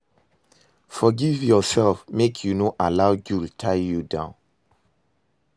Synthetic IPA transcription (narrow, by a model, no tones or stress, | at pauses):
fɔɡivjɔsɛlfmekʰjunoʔalaʊɡultʰaɪjudã̰ʊ̃n